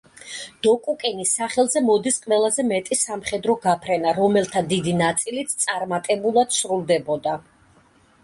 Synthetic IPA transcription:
d̪̥ɔkʼukʼɛnisaχɛlˠzɛmɔd̪isqʼwɛlˠazɛmɛt̪ʼisamχɛd̪ɾɔɡapʰɾɛnaɾɔmɛlˠt̪ʰad̪id̪inat̪sʼilit̪st̪sʼaɾmat̪ʼɛbulˠad̪̥sɾulˠd̪ɛbɔd̪a

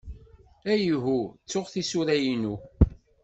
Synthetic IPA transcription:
æjɦut͡sːʊʁθisuɾæjinu

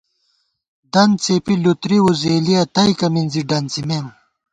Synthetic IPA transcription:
d̪ɐnt͡sepilut̪ɾiwuzeːliɐt̪ɐjkɐminziɖɐnt͡simem

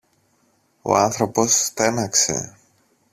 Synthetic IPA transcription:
o̞̰ɐnθɾo̞po̞st̪e̞nɐkse̞̰

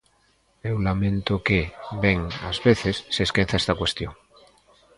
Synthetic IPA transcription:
ewlamẽnt̪okebeŋa̰zβeθesːeskẽn̟θaest̪akwe̞st̪joŋ

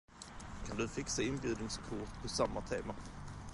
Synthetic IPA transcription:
kʰand̪ɵfɪksaɪnbjʉ̟ːd̪nɪŋskʰʊʂpʰɔsamːat̪ʰeːma

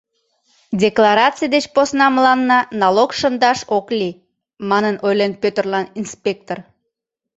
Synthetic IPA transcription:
dʲeklɑɾɑt͡sɨjd̪et͡ɕposnɑməlɑnːɑnɑlokʃənd̪ɑʃokli | mɑnənojlenpøt̪ərlɑninspʲek̚t̪or

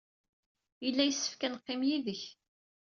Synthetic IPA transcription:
jəlːæjəsːə̥fkænqːɪmjiðəç

